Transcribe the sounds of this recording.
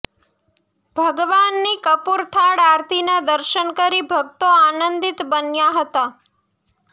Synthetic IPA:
bʱəɡʋanːikəpuɾt̪ʰaɽaɾt̪ʰinad̪əɾʃənkəɾibʱəɡt̪oanənd̪it̪bənjaɦət̪a

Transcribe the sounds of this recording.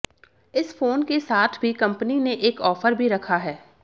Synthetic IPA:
ɪsfoːnkesaːt̪ʰbʱikɐ̃mpnineʔeːkɔːfəɾbʱiɾɐkʰaɦɛː

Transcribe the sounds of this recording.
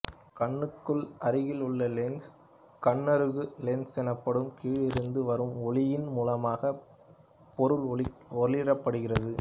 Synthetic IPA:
kɐɳːɯkːɯɭɐɾɯɣɪlʊɭːɐlɛns | kɐɳːɐɾɯɣɯlɛnsɛnɐpːɐɽɯmkiːɻɪɾɯnd̪ɯʋɐɾɯmɔɭɪjɪnmuːlɐmaːɣɐ | pɔɾɯlɔlɪɾɐpːɐɽɯɣɪrɐðɯ

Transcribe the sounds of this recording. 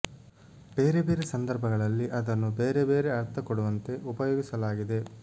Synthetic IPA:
b̥e̞ːɾebe̞ːɾesɐnd̪ɐɾbʱɐɡɐɭɐlːiʔɐd̪ɐnːubeːɾe̞be̞ːɾe̞ɐɾt̪ʰɐkoɽuʋɐnt̪e̞ʔupɐjoːɡisɐlaːɡid̪e̞

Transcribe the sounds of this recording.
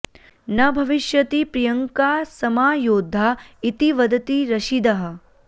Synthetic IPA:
nɐbʱɐʋiʃjɐt̪ipɾijɐŋkaːsɐmaːjoːd̪ʱːaːit̪iʋɐd̪ɐt̪iɾɐʃid̪ɐɦɐ̆

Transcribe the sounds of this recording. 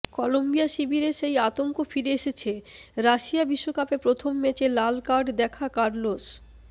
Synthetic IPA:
kɔlombijaʃibiɾeʃejat̪oŋkofiɾeeʃet͡ɕʰeɾaʃijabiʃːokapepɾot̪ʰomːɛt͡ɕelalkaɖd̪ɛkʰakaɾlos

